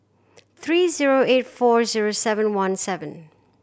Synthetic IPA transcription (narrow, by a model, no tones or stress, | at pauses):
θʰɹiːziɹoetfɔɹziɹosɛvə̃nwãnsɛvə̃n